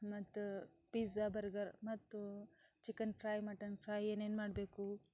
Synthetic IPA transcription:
mɐt̪ːu | pizɐbɐɾɡɐɾmɐt̪ːut͡ʃikɐnpʰɾaːjmɐʈːɐnpʰɾaːjeːneːnmaːɽbeːku

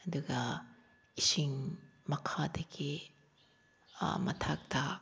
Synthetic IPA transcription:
ɐduɡɐ | isiŋmɐkʰadɐɡi | mɐtʰak̚ta

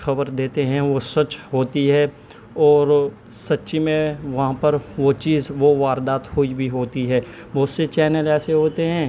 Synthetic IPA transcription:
xɐbəɾd̪eːt̪eɦɛ̃ʋosɐt͡ʃɦoːt̪iɦɛː | ɔːɾ | sɐtːʃimẽʋɐɦãpɐɾʋot͡ʃiːzʋoʋaːɾd̪aːt̪hʊibʱiɦoːt̪iɦɛː | ʋoːsːet͡ʃɛːnəlɛːseɦoːt̪eɦɛ̃ː

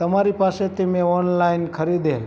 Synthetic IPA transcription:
t̪əmaɾipaset̪imeɔnlainkʰəɾid̪el

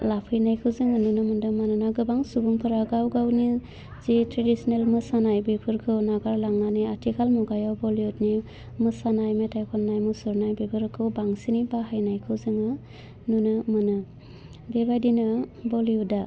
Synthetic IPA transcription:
lapʰɯjnajkʰɯwzɯŋɯnunɯmɯndɯmanɯnaɡɯbaŋsubuŋpʰɯɾaɡawɡawni | zitɾedisnelmɯsanajbipʰɯɾkʰɯwnaɡaɾlaŋaniatʰikʰalmuɡajawbɔliutni | mɯsanajmetajkʰɔnːajmusɯɾnajbipʰɯɾkʰɯwbaŋsinibaɦajnajkʰɯwzɯŋɯ | nunɯmɯnɯ | bebajdinɯbɔliuda

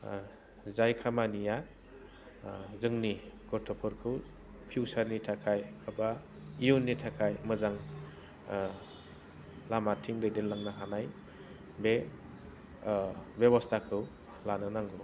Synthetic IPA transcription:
zajkʰamanija | zɯŋniɡɔɾtʰɔpʰɯɾkʰɯw | pʰiwsaɾnitʰakʰajaba | iunːitʰakʰajmɯzaŋ | lamatʰiŋdɯjdenlaŋnaɦanaj | be | bjebɔstʰakʰɯw | lanɯnaŋɡɔ

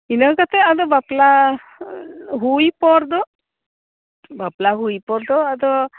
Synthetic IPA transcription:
inəkat̪ɛad̪ɔbapla | ɦujpɔɾd̪ɔ | baplaɦujpɔɾd̪ɔad̪ɔ

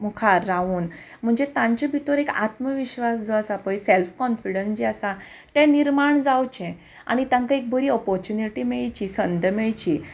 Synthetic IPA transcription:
mukʰaɾːaʋuːn | m̤əɳd͡zet̪ãɲt͡ɕabʱit̪oɾeka̰t̪məʋiɕʋasd͡zɔasapəjselfkɔnfiɽənsd͡ʑiasa | t̪ɛ̃niɾmaɳd͡zawt͡ɕɛ̃ | a̰ɽ̃it̪jãŋkaek̚bʱəɾiːɔpɔɾt͡ɕuniʈimeɭt͡ɕiːsənd̪ʱəmɛɭt͡ɕi

